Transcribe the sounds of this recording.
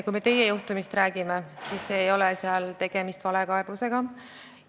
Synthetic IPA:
kujme̞t̪e̞jejuht̪umist̪ræːɡ̥ime̞sisːe̞ːjo̞lɛseɑlt̪e̞ɡ̥e̞mist̪vɑle̞kɑeb̥use̞ɡ̥ɑ

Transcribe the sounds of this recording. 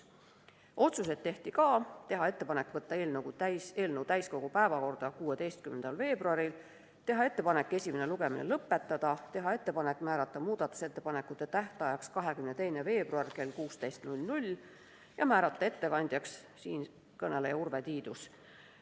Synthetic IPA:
ʔo̞t̪sus̬e̞t̪̚t̪ːe̞ht̪ikɑːt̪e̞ɦɑe̞t̪ˑːe̞pɑnekːˑvɤt̪ːɑeːlnəɡut̪æjse̞ːlnəwt̪æjsko̞ɡ̥upæevɑko̞rd̪̥ɑkuːe̞d̪ejst̪̚kymend̪ɑlve̞ːb̥ruɑɾil | t̪e̞ɦɑe̞t̪ːe̞pɑne̞kːˑe̞sʲimeneluɡe̞minelɤpːet̪ːˑɑd̪̥ɑt̪e̞ɦɑe̞t̪ːe̞pɑnekːmæːɾɑt̪ˑːɑmuːd̪̥ɑt̪ːˑu̥se̞t̪ːe̞pɑnekːˑut̪ːˑe̞t̪æht̪ɑjɑkskɑɦe̞kymnet̪e̞jne̞ve̞ːb̥ruɑrke̞lkuːst̪e̞jst̪nulʲnulʲ | jɑmæːɾɑt̪ˑːɑe̞t̪ːe̞kɑnʲd̪̥ʲjɑks | siːn | kɤne̞lejɑurvet̪iːd̪us

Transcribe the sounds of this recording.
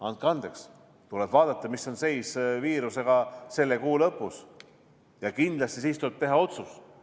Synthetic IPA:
ɑn̚kɑnd̪̥e̞ks | t̪ulɛb̥vɑːd̪̥ɑt̪ːˑɑmisːo̞nse̞jsviːɾuse̞ɡ̥ɑse̞lːe̞kuːlɤpˑːus | jɑkind̪lɑst̪isiːst̪uleb̥̚t̪e̞ɦɑo̞t̪sus

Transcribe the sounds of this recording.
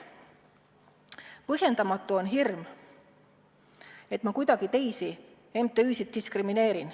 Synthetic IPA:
pɤɦje̞nd̪ɑmɑt̪ːˑuo̞nɦirm | e̞t̪ˑmɑkujd̪̥ɑɡ̥it̪e̞jsi | emt̪ːˑeyːsit̪̚d̪iskrimine̞ːɾin

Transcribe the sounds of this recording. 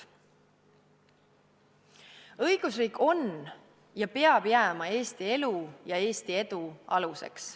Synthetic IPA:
ɤ̞jɡ̥usriːkʰːˑo̞n | jɑpe̞ɑb̥jæːmɑe̞ːst̪ie̞lujɑe̞ːst̪ie̞d̪̥uɑlusḛks

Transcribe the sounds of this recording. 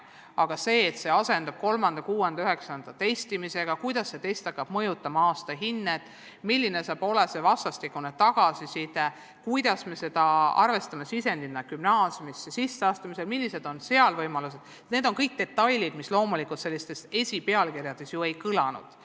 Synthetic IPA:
ɑɡ̥ɑse̞ːt̪se̞ɑse̞nd̪̥ɑb̥̚ko̞lmɑnd̪̥ɑkuːenɑyɦe̞ksɑnd̪̥ɑt̪e̞jst̪imise̞ɡ̥ɑkujd̪̥ɑsːe̞t̪e̞jst̪ɑkːˑɑb̥mɤjut̪ːˑɑmɑɑːst̪ɑɦinːet̪ˑ | milʲːine̞sɑːb̥o̞lese̞vɑst̪ɑst̪ikːˑunet̪ɑɡ̥ɑsisid̪e | kujd̪̥ɑsme̞se̞d̪̥ɑɑ̰rve̞st̪ɑme̞sise̞nd̪̥inːɑkymnɑːsjumisːesisːeɑːst̪ɑmise̞lmilʲːise̞d̪̥o̞nse̞ɑlvɤjmɑlus̬e̞d̪̥ | ne̞ːd̪o̞nkɤjk̚d̪̥e̞t̪ːˑɑjlʲid̪̥mislo̞ːmulikult̪se̞lːist̪e̞se̞sʲipe̞ɑlkirjɑd̪̥e̞sjoe̞jkɯlɑnṵd̪̥

